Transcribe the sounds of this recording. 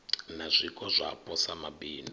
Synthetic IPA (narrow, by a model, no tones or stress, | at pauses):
nazʷikʼɔzʷa̰pʰʼɔsamabiːni